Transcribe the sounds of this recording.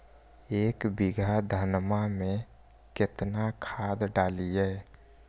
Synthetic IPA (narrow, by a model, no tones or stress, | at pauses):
eːkbiɡʱad̪ʱənmamẽ | kɪt̪nakʰaːd̪ɖaːlieː